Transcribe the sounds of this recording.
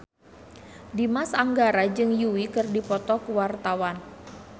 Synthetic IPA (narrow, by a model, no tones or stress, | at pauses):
dimasaŋɡaɾad͡ʒɨŋjuwikɨrdipɔt̪ɔkuwart̪awan